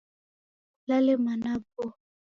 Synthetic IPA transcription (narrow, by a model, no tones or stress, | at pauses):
lalemanabo